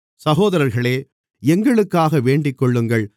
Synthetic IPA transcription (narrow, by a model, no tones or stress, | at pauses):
sɐɣoːðɐɾɐɾɣɐɭeː | ɛŋɡɐɭɯkːaːɣɐʋeːɳɖɪkːɔɭːɯŋɡɐɭ